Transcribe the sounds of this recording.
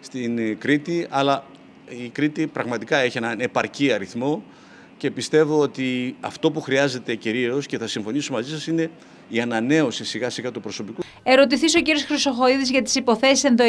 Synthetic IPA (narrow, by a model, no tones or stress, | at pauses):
st̪inkɾit̪iɐlɐ | ikɾit̪ipɾɐɣmɐt̪ikɐe̞çienɐne̞pɐɾciɐɾiθmo̞ | ce̞pist̪e̞vo̞ot̪iɐ̰ft̪o̞puxɾiɐze̞t̪e̞ciɾio̞sce̞θɐsiɱfo̞nisomɐzisɐsine̞ | iɐnɐne̞o̞sisiɣɐsiɣɐt̪upɾo̞so̞piku | e̞ɾo̞t̪iθiso̞ciɾio̞sxɾiso̞xo̞iðizʝɐt̪i̥sipo̞θe̞si̥senðo